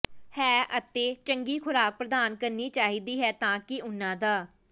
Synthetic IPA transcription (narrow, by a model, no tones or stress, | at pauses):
hɛːʔət̪eːt͡ʃəŋɡiːkʰʊɾaːk̚pɾəd̪aːnkəɾniːt͡ʃaːɦiːd̪iːɦɛːt̪ãːkɪʊnːãːd̪aː